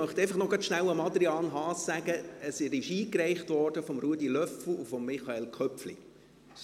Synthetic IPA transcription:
œχt̪ɛɪfɑχnɔɡɑtʃnæwəmɑd̪ɾiɑːnɦɑːsːæɡəəsɪɾɪʃiːkrɛɪχtʋɔːrd̥əfɔmɾuədilœfl̩ufɔmːiχɑelkʰœpflḭ

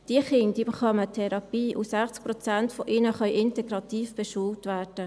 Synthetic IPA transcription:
d̥iəχɪndibeχɑmət̪ʰɛɾɑpiːʔusæχt͡sk̚pɾɔt͡sæntfɔʔɪnəχœʏʔɪntɛɡɾɑt̪iːfb̥ɛʃuːltvæːɾd̥ə

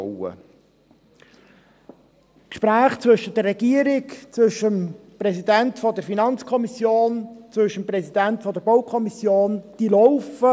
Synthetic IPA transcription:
ə̰ | kʃpɾæːχt͡sʋʏʃəd̥ərːɛɡ̥iəɾɪkt͡sʋʏʃəmpɾɛsidæntfɔd̪əɾfinɑnt͡skʰɔmisjoːnt͡sʋɵʃəmprɛsidæntfɔd̪əɾbɔʊkʰɔmisjoːnd̥ilɔʊfə

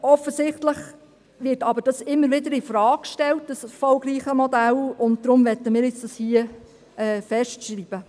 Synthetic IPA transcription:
ɔfəsɪχtləχ | ʋɪɾtɑbəɾd̥ɑsɪmːəɾʋɪdəɾifɾɑːkkʃtɛlt̚dəsfɔlɡɾiːχəmɔdælʊnt̚d̥̪ɾʊmʋɛtːəmɪːɾɪt͡sd̥ɑshiə | ɛːfɛʃtʃɾiːb̥ə

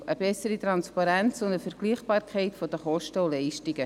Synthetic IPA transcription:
ʔəbɛsəɾit̪ɾɑnspɑɾɛnt͡sʊndəfɛɾɡ̥liːχb̥ɑːɾkʰɛɪtfod̥əχɔʃtəʊlɛɪʃtɪɡə

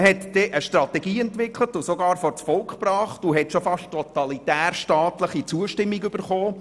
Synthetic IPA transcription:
hɛt̪d̥ɛʔəʃtɾɑt̪ɛɡiːɛntʋɪkʰlətʊsoɡɑːɾfɔrt͡sfɔlkχprɑːχtʊɦɛtʃofɑʃttɔt̪ɑlitæːrʃtɑːtləχit͡suəʃtɪmːiɡʏb̥əɾχoː

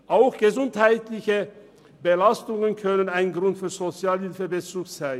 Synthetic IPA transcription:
ʔaʊxɡ̥əzʊnthaɪtlɪçə | bəlastʊŋənkʰœnənaɪnɡʁʊntfyːɐzot͡sjaːlhɪlfəbət͡suːksaɪn

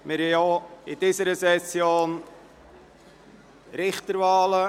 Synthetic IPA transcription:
mɪɾhɛjoɪdiːsəɾəsɛsjoːn | ɾɪχt̪əɾvɑːlə

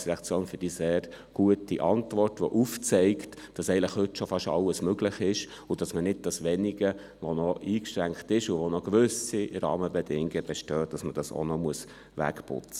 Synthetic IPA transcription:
sɾɛɑkt͡sjoːnfʏɾd̥iseːɾ | ɡ̥uətiʔɑntʋɔrtʋɔʔuft͡sɛɪktd̥ɑsɛɪələχhʏtʃofɑʃɑ̰lːəsmøɡləχɪʃ | ʊd̥ɑsmənɪd̚d̥ɑsʋɛniɡə | ʋɔnɔʔiːkʃɾæŋktɪʃʊʋɔnɔɡʋʏsiɾɑ̰ːməbɛdɪŋɡəb̥ɛʃtœːd̥ɑsməd̥ɑso̰nɔmuəs | ʋæ̰kpʊ̰t͡sə̥

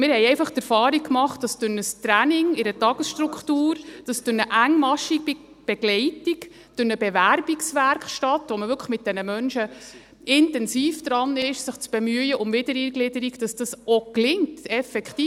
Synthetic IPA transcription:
mɪɾhɛjɛɪfɑχtɛɾfɑːɾik̚kːmɑχt̚d̥ɑsd̥ʊnəst̪ɾænɪŋɪɾətɑɡ̥əsʃtrukχtuːɾd̥ɑsd̥ʊnəʔæŋːmɑʃi | b̥ɛɡ̥lɛɪtik | d̥ʊnəbɛʋæɾbiksʋæɾkχʃtɑtʋɔməvʏɾkʰə̥χmɪt̚d̥ɛnəmœnʃə | ʔɪntɛnsiːfd̥̪ɾɑnɪʃsɪχt͡sb̥ɛmyəjəʔʊmvɪdəɾiɡlɪdəɾiɡd̥ɑsd̥ɑsɔklɪŋtɛfɛkχtiː

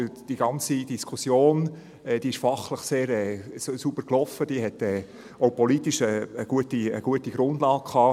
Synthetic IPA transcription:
d̥iɡ̥ɑnt͡sid̥iskʰusjoːn | ɛːd̥iːɪʃfɑχləχseːɾɛːsubəɾklɔfəd̥iːɦɛtɛː | oʊpɔlitiʃəːɡ̥uətiəɡ̥uətiɡ̥ɾʊndlɑːɡ̚kʰɑː

